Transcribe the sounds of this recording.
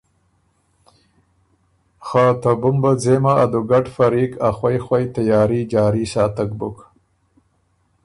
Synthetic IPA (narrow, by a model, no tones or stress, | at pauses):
xat̪abʊmbad͡zemaːd̪uɡaʈfaɾiːkaxwajxwajt̪ajɑːɾid͡ʒɑːɾisɑːt̪ak̚bʊ̰k